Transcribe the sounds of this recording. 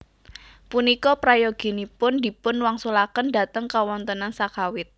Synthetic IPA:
punikɔpɾajɔɡ̥i̤nipʊndi̤pʊnwaŋsulakənda̤t̪əŋkawɔnt̪ənansakawɪt̪̚

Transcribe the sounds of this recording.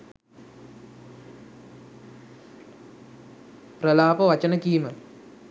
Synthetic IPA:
prəlaːpəʋat͡ʃənəkiːmə

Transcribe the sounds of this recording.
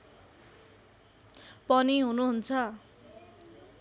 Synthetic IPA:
pʌniɦunuɦunt͡sʰʌ

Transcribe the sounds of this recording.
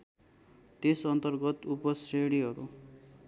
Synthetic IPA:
t̪esʌnt̪ʌrɡʌt̪upʌsreɽiɦʌɾu

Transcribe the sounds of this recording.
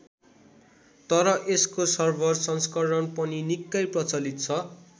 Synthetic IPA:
t̪ʌɾʌʔeskosʌrbʱʌrsʌnskʌrɽʌnpʌninikːʌjprʌt͡sʌlit̪̚t͡sʰʌ

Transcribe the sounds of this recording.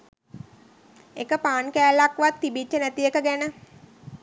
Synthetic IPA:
ekəpaːnkæːlakʋat̪ːibit͡ʃːənæt̪ijekəɡænə

